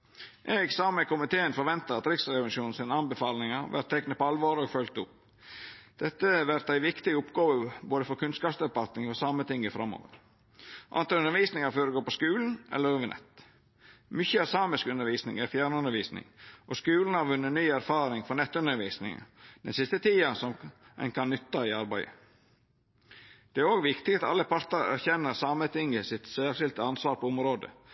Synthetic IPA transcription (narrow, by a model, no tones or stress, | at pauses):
ʔeːɡsɑːməkʊmɪt̪ʰeːənfɔɾʋɛnt̪əɾɑt̪ɾɪksɾɛʋ̪ʂuːn̩sɪnəɑnbəfɑːlnɪŋəɾʋæ̰ɾt̪ʰːɛknəpɔɑlʋɑːɾoːɡfœlk̚t̪ʊp̚ | d̪̥ɛt̪ːəʋæɾt̪æɪʋɪkt̪ɪəʊpɡɑːʋəboːd̪əfɔɾkʰʉnskɑːpsd̪ɛpɑlt̪nɪŋɔsɑmːət̪ʰɪŋːəfɾɑmːo̰ːʋə̰ɾ | ʔɑ̰nt̪ɑʉnəɾʋiːsnɪŋəɾføːɾɛɡoːpɔskʉːln̩ʔɛ̰lːəɾʉːʋənɛ̰t̪ː | mʏçəɑsɑːməskʉnəɾʋiːsnɪ̰ŋæɾfjæːɳʉnd̪əɾʋiːsnɪ̰ŋʔɔskʉːln̩hɑɾʋʉnːənyːæɾfɑːɾɪŋfɔnɛt̪ːʉnəɾʋiːsnɪ̰ŋə̰d̪̥ɛ̰nsɪst̪ət̪ʰiːɑsɔm | ɛ̰ɪnkʰɑnːʏt̪ːɑɪɑɾbæɪə̰ | d̪̥ɛæɾoːɡʋɪkt̪ɪɡɑt̪ɑ̰lːəpʰɑɾt̪əɾæ̰ɾçɛnːəɾsɑmət̪ɪŋːəsɪt̪sæʂɪlt̪əɑnsʋɑːɾpʰɔʊmɾoːd̪ə̰